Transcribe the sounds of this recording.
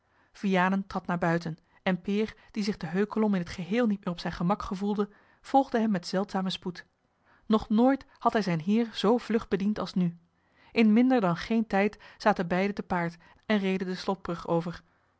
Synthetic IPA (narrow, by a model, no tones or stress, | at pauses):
v̥ijaːnəntrɑtnaːɹbœɥtən | ɛnpɪːrd̥izɪχdəɦøɥkəlɔmɪnɦətχəɦɪːlˠnit̚mɪːrɔpsɛjnχəmɑkχəvulˠdə | v̥ɔlˠχdəɦɛmːɛtsɛlˠtsaːməsput | nɔχnoːjt | hɑtɦɛjzɛjnɦɪːɹz̥owv̥lɵχbədintɑlˠsny | ʔɪnmɪndəɹdɑnχejntɛjtz̥aːtəbɛjdətəpaːɹt | ɛnrejdədəslɔd̚b̥rɵχowvəɹ